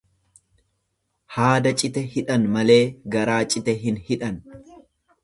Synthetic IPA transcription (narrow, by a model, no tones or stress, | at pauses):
haːd̪ɐt͡ʃʼɪt̪ɛhɪᶑɐnmɐle̞ːɡɐɾaːt͡ʃʼɪt̪ɛɦɪnhɪᶑɐn